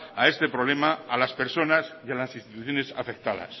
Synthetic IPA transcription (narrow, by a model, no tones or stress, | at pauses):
ae̞st̪e̞pɾoβ̞le̞maːlaspe̞ɾso̞nasjalasinst̪it̪uθjone̞sa̰fek̚t̪aða̰s